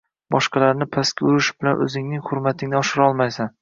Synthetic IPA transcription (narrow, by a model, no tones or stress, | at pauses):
bɒʃqɑlaɾnɪpʰaskʲaʊɾɪʃɪ̥bɪlanʔɵ̰zɪŋnɪŋhʊɾmat̪ʰɪŋnɪɒʃɪɾɒlˠmajsan